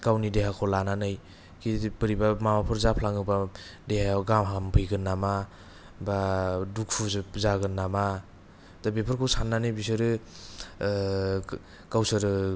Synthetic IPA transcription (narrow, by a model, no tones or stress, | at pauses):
kawnideɦakʰɔlananɯj | kʰibɯɾibamamapʰɯɾzapʰlaŋɯbadehaɡamɦampʰɯjɡɯnːama | baduk̚fʰuzaɡɯnːama | tabepʰɯɾkʰɯwsanːanɯjbisɯɾɯ | kawsɯɾɯ